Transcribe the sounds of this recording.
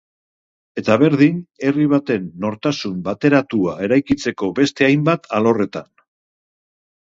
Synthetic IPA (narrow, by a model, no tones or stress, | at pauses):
e̞t̪aβe̞ɾðine̞riβ̞at̪e̞nːo̞ɾt̪asumbat̪e̞ɾat̪uae̞ɾajkit͡se̞ko̞be̞st̪e̞ajmbat̪ʰalo̞re̞t̪an